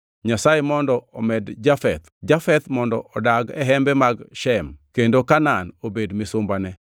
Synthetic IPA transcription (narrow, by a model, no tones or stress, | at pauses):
ɲasajemɔndɔʔɔmɛdd͡ʒafɛt̪d͡ʒafɛt̪mɔndɔʔɔdaɡɛ̰ɦɛmbɛmaɡʃɛmkendokananobedmɪsʊmbanɛ